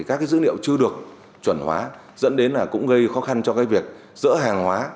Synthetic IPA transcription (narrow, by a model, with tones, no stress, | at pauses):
i˨˩ka˦˥kaː˨˦jzɨ̰˧˥nḭ˧˨ə˨wt͡ɕɨ˧əɗɨ˨˩ək̚ | t͡ɕwə˧˩nhwa̰ː˨˦ | zə̰˧˥nɗe˨˦nlaː˨˩kʊ̰˧˥ŋ͡mɣə˧jxɔ˨˦xa˧nt͡ɕɔ˧kaː˨˦jvi˨˩ək̚ | z̥ɨ̰˧˥ɦaː˨˩ŋhwaː˨˦